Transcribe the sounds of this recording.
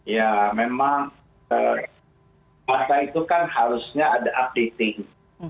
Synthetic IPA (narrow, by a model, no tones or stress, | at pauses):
jamemaŋ | ə | masait̪ukanhaɾusɲaːdaʔap̚det̪ɪŋ